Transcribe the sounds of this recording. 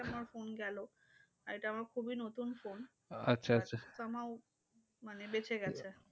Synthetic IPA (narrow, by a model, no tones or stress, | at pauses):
amaɾfonɡɛlo | aeʈaamaɾkʰubinot̪unfon | atːɕʰaaʃʰat̪oamao | manebet͡ɕʰeɡɛt͡ɕʰe